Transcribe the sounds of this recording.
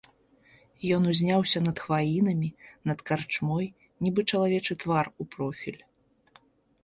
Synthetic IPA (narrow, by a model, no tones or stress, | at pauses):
jɔnuzʲnʲawsʲɐnɐt̪xvalʲinɐmʲinɐt̪kart͡ʂmɔj | nʲibɨt͡ʂɐlˠavʲɛt͡ʂɨt̪varupɾɔfʲḭlʲ